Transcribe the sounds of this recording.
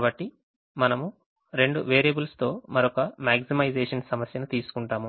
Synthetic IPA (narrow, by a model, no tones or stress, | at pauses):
bɐʈːi | mɐnɐmu | ɾe̞ɳɖuʋeːɾɐbulst̪o̞ːmɐɾɔkɐmaːɡsimɐjd͡ʒeːʂɐnsɐmɐsjɐnut̪iːsu̥kuɳʈaːmu